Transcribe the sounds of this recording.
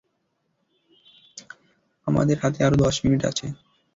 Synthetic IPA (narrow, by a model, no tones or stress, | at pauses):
ama̰d̪eɾɦat̪eaɾod̪ɔʃminiʈa̰t͡ɕʰe